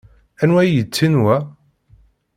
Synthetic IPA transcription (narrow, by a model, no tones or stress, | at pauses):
ænwæjjət͡sːinwæ